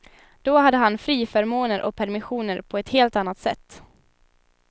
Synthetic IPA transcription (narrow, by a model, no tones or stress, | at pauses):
d̪̥ɔhad̪ːəɦanfɾiːfœɾmoːnəɾʔɔ̰k̚pʰæɾmɪɧuːnəɾpʰɔɛt̪heːlt̪anːat̪sɛ̰t̪ː